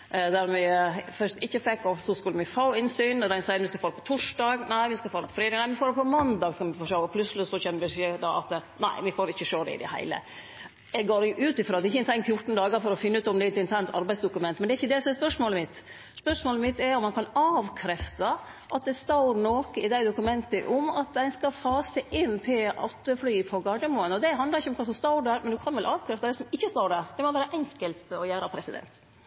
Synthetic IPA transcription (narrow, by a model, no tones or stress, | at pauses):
d̪æɾmɪfœʂt̪ɪçːəfɛkːɔsɔskʉlːəmɪfɑʊɪnsyːnd̪ɛsɑɪəʋɪskɑfoːɾəpɔ̥t̪ʰʊʂɖɑːɡnæɪʋɪskɑlfoːɾəpʰɔfɾeːd̪ɑɡnæɪmɪfoːɾd̪ɛpʰɔmɑnd̪ɑːɡskɑmɪfɔʂoːɔpʰlʉsəlɪsɔçɛnːbɪsøːd̪ɑʔɑ̰t̪næɪʋɪfoːɾɪçːəʂoːd̪ɛ̰ɪ̰d̪ɛ̰hæ̰ɪlə̰ | ɛɡɡoːɾjʊʔʉːt̪ɪfɾoːɑd̪ɛɪçəɛɪnt̪ʰɛŋfjʊʈn̩d̪ɑːɡəɾfɔɾɔfɪnːəʉːt̪ɔmd̪ɛɛt̪ɪnt̪ʰæɳt̪ʰɑ̰ɾbæɪsd̪ʊkʉmɛnt̪mɛnɛɾɪçːəd̪ɛsɔmɛɾspœʂmoːləmɪt̪ː | spœʂmoːləmɪt̪ːɛɾɔmːɑnkʰɑnɑːʋkʰɾɛft̪ɑ | ʔɑt̪̚d̪ɛst̪ɑʊɾnoːkəɪd̪æɪd̪ʊkʉmɛnt̪əʔɔmɑt̪̚d̪æɪnskɑfɑːsæʔɪnːt̪ʰɪʔɑt̪ːəflyːpʰɔɡɑɖəmoːənɔd̪ɛɦɑnd̪lɑɾɪçːəɔmkʰɑsɔst̪ɑʊɖæɾmɛnd̪ʉkʰɑnʋɛlʔɑːʋkʰɾɛft̪ɑd̪ɛsɔmɪçːəst̪ɑːɖæːɾd̪ɛmɔʋæːɾəʔɛŋkəlt̪ɔjæːɾəpʰɾɛsɪd̪ɛ̰nt̪